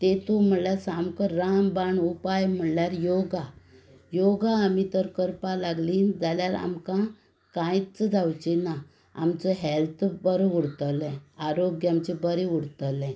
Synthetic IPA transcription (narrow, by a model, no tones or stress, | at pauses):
t̪et̪om̤əɽɭljasamkəɾːambaɳupajm̤əɳljaɾjoɡa | joɡaːmit̪əɾkəɾpalaɡliːnd͡zaljaɾa̰mkã | kãjt͡sd͡zawt͡ɕina | a̰mt͡səɦɛlt̪ʰbəɾuɽt̪əlɛ̃aɾoɡjamt͡ɕebəɾeuɽt̪əlɛ̃